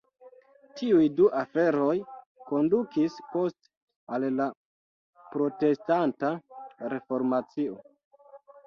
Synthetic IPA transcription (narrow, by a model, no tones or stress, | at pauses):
tʰiujduʔafe̞ɾo̞j | ko̞ndukispo̞st | alla | pɾo̞te̞stantaɾe̞fo̞ɾmat͡sio